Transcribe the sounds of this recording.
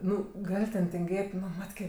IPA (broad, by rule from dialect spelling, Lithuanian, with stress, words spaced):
ˈnʊ ˈɡɐlʲ tʲɛn tʲɪŋʲˈɡʲeːtʲ ˈnʊ ˈmɑːtʲkʲeː